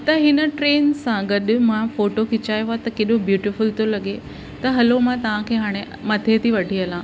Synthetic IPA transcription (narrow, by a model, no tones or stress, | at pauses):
t̪ɐɦɪnəʈɾeːnsãɡɐɗʊ̆mãfoːʈokɪt͡ɕaːjat̪ɐkeːɗobjuːʈɪfʊlt̪olɐɠe | t̪ɐɦɐlomãt̪ɐʋ̤ãkʰeːɦaːɽ̃e | mɐt̪ʰet̪ʰiʋɐɖʱiɐlãː